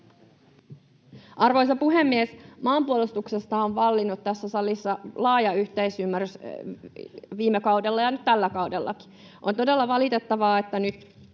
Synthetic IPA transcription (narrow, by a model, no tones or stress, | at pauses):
ʔɑrʋojs̬ɑpuɦemːiesmɑːmpuolist̪ukse̞st̪ɑoʋʋɑlːinut̪tːæsːæsɑlisːɑlɑːjɑyht̪ejsymːærys | ʋiːmekɑwdelːɑjɑnyt̪t̪ælːækɑwdelːʔɑ̰ki̥ | ʔont̪ode̞lːɑʋɑlit̪e̞t̪ːɑʋɑːet̪ːænyt̪